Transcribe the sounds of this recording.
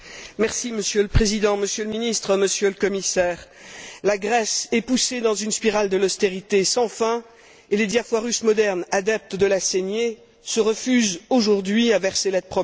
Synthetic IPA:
mɛʁsiməsjøləpχezid̪ɑ̃məsjøləminist̪χəməsjøləkɔmisɛːʁ | laɡʁɛsɛpused̪ɑ̃zynspiʁald̪əlɔst̪eʁit̪esɑ̃fɛ̃ | eled̪jafwaʁysmɔd̪ɛʁnad̪ɛp̚t̪d̪əlasenje | səʁəfyzoʒuʁd̪ɥiavɛʁselɛt̪̚pχɔ

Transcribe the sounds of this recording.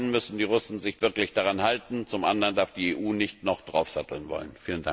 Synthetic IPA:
nnmʏsn̩diːʁʊsn̩zɪçv̥ɪɐklɪçd̥aʁanhaltn̩t͡sʊmʔandəʁəndaɐfd̥iːeːʔuːnɪçtnɔχd̥ʁaʊfz̥atl̩nvɔ̰lənfiːlənda̰

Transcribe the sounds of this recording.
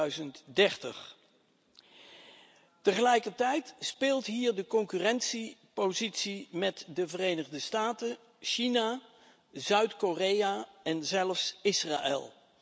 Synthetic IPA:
ɥzəntdɛɹtə̰χ | təχəlɛjkəɹtɛjtspɪːlˠtɦiːɹdəkɔŋkyrɛnsipozitsimɛtdəvərejnəχdəstaːtə | ʃina | zœɥtkorejaɛnzɛlˠfsɪsra̰ːʔɛ̰lˠ

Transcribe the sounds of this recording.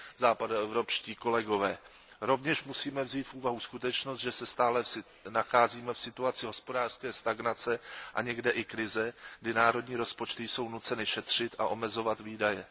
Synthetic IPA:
zaːpadaɛvɾo̞pʃciːko̞lɛɡo̞vɛː | ɾo̞vɲɛʃmusiːmɛvziːt̪fʔuːvaɦuskut̪ɛt͡ʃnost̪ʒɛsɛst̪aːlɛ | naxaːziːmɛfsɪt̪uat͡sɪɦo̞spo̞daːr̥skɛːst̪aɡnat͡sɛʔa̰ɲɛɡdɛʔɪkɾɪzɛɡdɪnaːɾo̞dɲiːɾo̞spot͡ʃt̪ɪjso̞wnut͡sɛnɪʃɛt̪r̝̥ɪt̪a̰ʔo̞mɛzo̞vat̪viːdajɛ

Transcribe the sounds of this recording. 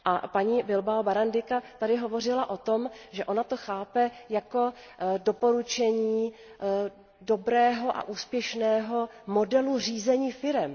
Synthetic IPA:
ʔapaɲiːbɪlbaobaɾandɪkat̪adɪɦo̞vo̞rɪlaʔo̞t̪o̞mʒɛʔo̞nat̪o̞xaːpɛjako̞ | dopo̞ɾut͡ʃɛɲiː | do̞bɾɛːɦo̞ʔa̰ʔuːspjɛʃnɛːɦo̞mo̞dɛlur̝iːzɛɲiːfɪɾɛm

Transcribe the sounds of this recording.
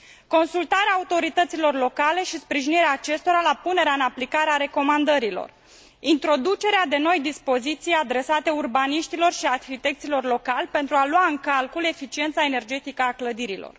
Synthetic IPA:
ko̞nsult̪aɾeaːut̪o̞ɾit̪ət̪silo̞rlo̞kale̞ʃispɾiʒiniɾeaːt͡ʃe̞st̪o̞ɾalapune̞ɾeaɨnaplikaɾeaɾe̞ko̞mand̪əɾilo̞̰r | int̪ɾo̞d̪ut͡ʃe̞ɾead̪e̞no̞jd̪ispo̞zit̪sijad̪ɾe̞sat̪e̞urbaniʃt̪ilo̞rʃiarxit̪e̞k̚t̪silo̞rlo̞kalʲpe̞nt̪ɾualuaɨŋkalkule̞fit͡ʃient̪sae̞ne̞rd͡ʒe̞t̪ikəakləd̪iɾilo̞̰r

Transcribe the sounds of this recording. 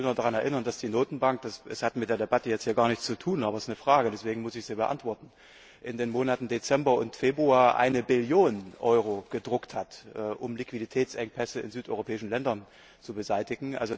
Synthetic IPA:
nɐdaʁanɛɐʔɪnɐndasd̥iːnoːtn̩baŋk̚d̥asɛshatmɪt̚d̥eːɐdebatəjɛt͡stʰhiːɐɡaːɐnɪçt͡st͡sutʰuːnʔaːbɐsɪsnəfʁ̥aːɡədɛsv̥eːɡŋ̩mʊsɪçz̥iːbəʔa̰ntv̥ɔɐtn̩ | ʔɪndeːnmoːnatn̩det͡sɛmbɐʊ̰ntfeːbʁuaːɐʔa̰ɪnəbɪljoːnnʔɔʏʁ̞oɡ̥ədʁʊkthatʔɛːʔʊmlɪkv̥iditʰɛːt͡sʔɛŋpʰɛsəɪ̰nzyːtɔ̰ʏʁopʰɛːɪʃn̩lɛndɐn | t͡subəzaɪtɪɡŋ̩ʔa̰lzo

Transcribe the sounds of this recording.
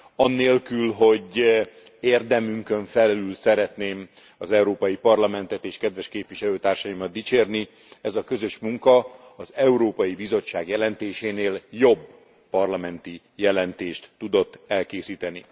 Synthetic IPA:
ɒnːeːlkylɦo̞ɟ | eːrd̪ɛmyŋkø̞ɱfɛlylsɛɾɛt̪neːm | ɒzɛuɾoːpɒjipɒrlɒmɛnt̪ɛt̪eːʃkɛd̪ʋɛʃkeːpʋiʃɛløːt̪aːrʃɒimɒd̪̚it͡ʃeːrni | ɛzɒkø̞zøʃmuŋkɒ | ɒzɛuɾoːpɒjibizo̞t͡ʃːaːɡjɛlɛnt̪eːʃeːneːljo̞bː | ɒrlɒmɛnt̪i | jɛlɛnt̪eːʃt̪ːud̪o̞t̪ːɛlkeːsiːt̪ɛni

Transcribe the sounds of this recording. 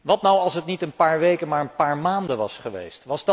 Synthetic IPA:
ʋɑtnawɑlˠsətnitənpaːɹʋejkənmaːɹənpaːɹmaːndənʋɑ̰sχəʋḛjstʋɑzd

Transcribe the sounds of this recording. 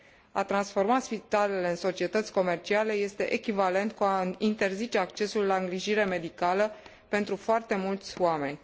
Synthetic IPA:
a̰t̪ɾansfo̞rmat̪spit̪ale̞le̞ɨnso̞t͡ʃie̞t̪ət̪sʲko̞me̞rt͡ʃiale̞je̞st̪e̞ʔekʲivale̞nt̪kuaint̪e̞rzit͡ʃe̞akt͡ʃe̞sulːaɨŋɡɾiʒiɾe̞me̞d̪ikalə | pe̞nt̪ɾufoart̪e̞mult̪sʲoame̞nʲ

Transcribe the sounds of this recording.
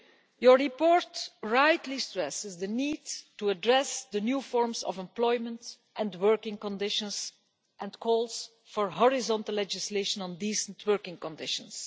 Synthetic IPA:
jəɹɹipɔɹtɹaɪtʰlistɹɛsɪzd̪əniːdtuədɹɛsd̪ənjuːfɔɹmsɔ̰vɛ̃mplɔɪmə̃nt | ʔɛ̃ndwɜɹkɪ̃ŋkɔ̃ndɪʃə̃ns | ʔɛ̃ntkʰɔːlˠs | fɔɹɦɔɹɪzɔ̃ntəlːɛd͡ʒɪsleɪʃə̃nə̃ndiːsə̃ntʰwɜɹkɪ̃ŋkɔ̃ndɪʃə̃ns

